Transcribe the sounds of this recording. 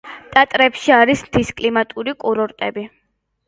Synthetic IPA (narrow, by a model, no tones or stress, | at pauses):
t̪ʼat̪ʼɾɛpʃiaɾismt̪ʰiskʼlimat̪ʼuɾikʼuɾɔɾt̪ʼɛbi